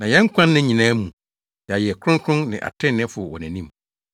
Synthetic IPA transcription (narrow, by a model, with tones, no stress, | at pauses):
nã˨jɛ̃˦ŋ̩˦kʷʰã˦nːɪ̃˦ɲĩ˨nãː˦mũ˨ | jɛ˨a˨jɛ˨kʰɾʊ̃˦ŋ˦kʰɾʊ̃˦nnɪ̰̃˨ʔa̰˨tʰɪ̃˦nːɪ̃˦fʊ˨wɔ˨næ̃˨nĩ˦m